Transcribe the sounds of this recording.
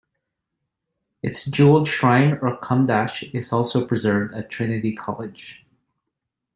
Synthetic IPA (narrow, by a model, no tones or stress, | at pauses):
ɨtsd̥ʒ̥ul̩ˠʃɹãɪ̃mə˞kʰʌ̃mdæʃɪz̥ɔlˠsoʊpʰɹ̥ɨzɜ˞vdɨtʰɹ̥ɪnɨɾikʰɑ̰lˠɪd̥ʒ̥